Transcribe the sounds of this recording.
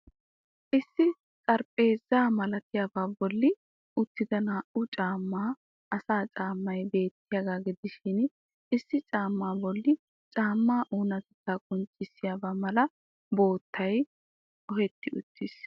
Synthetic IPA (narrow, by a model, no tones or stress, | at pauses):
ʔɪsːɪ | t͡sʼɐɾpʼe̞ːzːaːmɐlɐt̪ɪjaːbaːbɔlːɪ | ʊt̪ːɪd̪ɐnaːʔʊt͡ʃʼaːmːaː | ʔɐsaːt͡ʃʼaːmːɐjbe̞ːt̪ːɪjaɡaːɡɪd̪ɪʃɪn | ɪsːɪt͡ʃʼaːmːaːbɔlːɪ | t͡ʃʼaːmːaːʔuːnɐt̪ɛt̪ːaːkʼʊnt͡ʃʼːɪsːɪjaːbaːmɐlɐ | bo̞ːt̪ːɐj | ʔɔhɛt̪ːɪʊ̰t̪ʰːɪs